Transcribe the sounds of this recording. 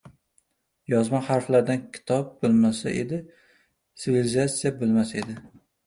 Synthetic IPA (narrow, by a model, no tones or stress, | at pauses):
jɒzmahaɾflaɾd̪ankʲʰɪ̥t̪ʰɒp̚bʊlˠmasa̰ʔe̞̰d̪ɪ | sɪvilɪzat̪sijabɪlmasae̞d̪ɪ